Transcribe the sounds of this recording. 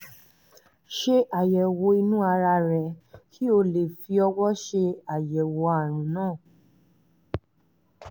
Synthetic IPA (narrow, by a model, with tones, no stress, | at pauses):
ʃe˧ʔa˨jɛ˨wo˧˦i˧nũ˦a˧ɾa˧ɾɛ˨kʰi˦o˧le˨fi˧ɔ˧wɔ˦ʃe˧a˨jɛ˨wo˨˧˦a˨ɾ̃ĩ˨˦nãː˦˨